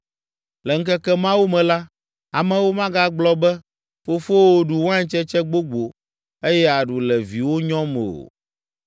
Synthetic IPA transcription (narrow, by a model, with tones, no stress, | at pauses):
lɛ˨ŋ̩˦kɛ˦kɛ˦mã˦wo˦mɛ̃˨la˦ | a˨mɛ̃˦wo˦mã˦ɡa˦ɡ͡blɔ˦bɛ˦ | fo˦fo˦wo˦ɖu˨wã˦ɲ˦t͡ʃɛ˦t͡ʃɛ˦ɡ͡bo˦ɡ͡bo˨ | e˦jɛ˦a˨ɖu˨lɛ˨vi˨wo˦ɲɔ̃˦mɛ̰˨o̰˨